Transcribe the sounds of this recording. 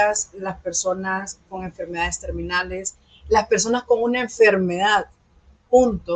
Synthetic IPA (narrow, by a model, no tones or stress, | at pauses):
aslaspe̞ɾso̞nasko̞ŋe̞ɱfe̞ɾme̞ðaðe̞st̪e̞ɾmĩnale̞s | laspe̞ɾs̬o̞nasko̞ŋunaeɱfe̞ɾme̞ðað | punt̪o